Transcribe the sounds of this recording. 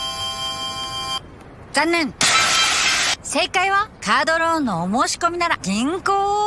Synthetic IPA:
zãnːẽ̞ɴ | se̞ːkaiβakaːd̪o̞ɾoːnːo̞ːmo̞ːɕi̥ko̞mʲinaɾaɡʲĩŋkoː

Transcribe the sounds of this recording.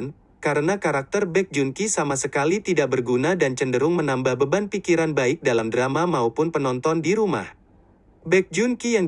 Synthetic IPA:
n | kaɾənakaɾak̚t̪ərbɛk̚d͡ʒunkisamasəkalit̪idaʔ̚bərɡunadant͡ʃəndəɾʊŋmənambahbəbanpikiɾanbaɪk̚dalamdəɾamamaupʊnpənɔnt̪ɔndiɾuma̰h | bɛk̚d͡ʒunkijaŋ

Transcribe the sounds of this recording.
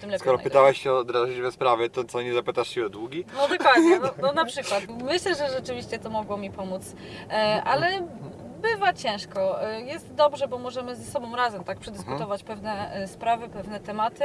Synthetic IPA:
t̪ɨmlɛskɔɾɔa̰pɨt̪awɛɕɕɛɔd̪ɾaʐɘd͡ʑvɛspɾavʲjɛt̪ɔt̪sɔɲɛzapɘt̪aʂt͡ɕɛɛd̪wuɡʲinɔd̪ɔkwad̪ɲɛnɔnɔnapʂɘkwat̪mɘɕlɛʐɛʐɛt͡ʂɘvʲiɕt͡ɕɛt̪ɔmɔɡwɔmʲipɔmut̪s | ʔalɛ | bɘvat͡ɕɛ̃w̃ʂkɔjɛst̪d̪ɔbʐɛbɔmɔʐɛmɘzɛsɔbɔ̃w̃ɾazɛmt̪ak̚pʂɛd̪ɘskut̪ɔvat͡ɕpɛvnɛspɾavɘpɛvnɛt̪ɛmat̪ɘ

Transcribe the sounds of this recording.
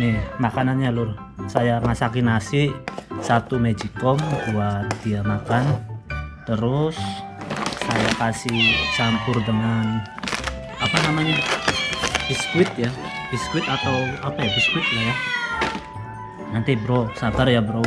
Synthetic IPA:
nɪmakananɲalʊr | sajamasakinasɪʔsat̪umed͡ʒikɔmduat̪d̥iamakant̪əɾʊsː | ajakasɪht͡ʃampʊrdəŋan | apanamaɲa | b̥iskwɪt̪̚jab̥iskwɪt̪at̪awapajabiskwɪt̪̚laja | nant̪ibəɾɔsabarjabəɾo

